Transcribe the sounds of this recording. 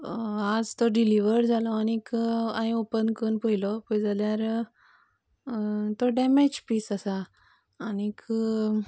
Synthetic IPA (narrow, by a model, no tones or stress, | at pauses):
ad͡zt̪ɔɖiliʋəɽd͡zʱalɔanikãĩopənkənpoilɔpəjd͡zaljaɾ | t̪oɖɛmed͡ʑpiːsasaː | nik